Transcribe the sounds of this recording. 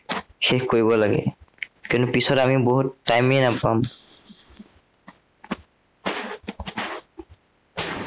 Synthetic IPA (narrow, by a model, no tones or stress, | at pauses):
xekkoɹibɔlaɡḛkintupisɔɾamiboɦutʈːajmienapːam